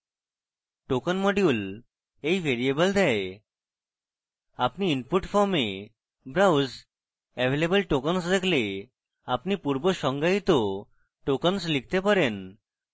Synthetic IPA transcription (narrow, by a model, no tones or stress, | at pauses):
ʈokənmɔɖjul | ejʋʱeɾiebəld̪ɛe | apniːnpuʈfʰɔɾme | bɾawz | ɛʋʱelebəlʈokənsd̪ekʰle | apnipuɾboʃɔŋɡait̪o | ʈokənslik̚ʰt̪epaɾen